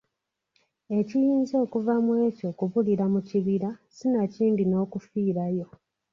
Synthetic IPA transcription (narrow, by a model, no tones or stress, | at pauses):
e̞cijiːnzo̞ːkuvamwe̞ːco̞kuβuliɾamuciβiɾasinaciːndino̞ːkufiːɾajo̞